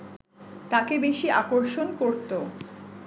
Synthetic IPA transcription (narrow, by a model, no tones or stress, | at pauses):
t̪akebeʃiakoɾʃonkoɾt̪o